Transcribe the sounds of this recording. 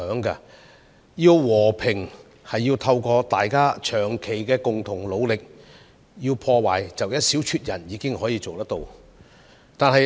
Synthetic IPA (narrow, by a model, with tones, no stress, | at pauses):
œː˨˥ŋka˧ | ji˧wwɔː˨˩pʰɪ˨˩ŋ | hɐ˨jːiː˧wt̪ʰɐ˧wkɔː˧t̪aː˨jkaː˥t͡ʃʰœː˨˩ŋkʰe˨˩jkɛː˧kʊ˨ŋt̪ʰʊ˨˩ŋlo˨˧wlɪ˨k̚ | jiː˧wpʰɔː˧wa̰ː˨˩jt͡sɐ˨wjɐ˥t̚si˨˥wt͡ʃʰyː˧t̚jɐ˨˩njiː˨˧˥kɪ˥ŋɦɔː˨˥jiː˧t͡so˨wt̪ɐ˥t̪o˨˧w | t̪aː˨nhɐ˨j